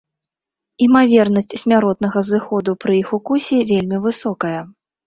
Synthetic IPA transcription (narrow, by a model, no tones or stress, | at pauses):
imavʲɛrnɐsʲt͡sʲsʲmʲaɾɔt̪n̪ɐɣɐzɨxɔd̪upɾɨixukusʲivʲelʲmʲivɨsɔkɐjɐ